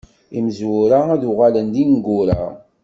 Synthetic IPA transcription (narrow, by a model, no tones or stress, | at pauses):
ḭməzwuɾaæðʊʁalənd̪inɡʊɾa̰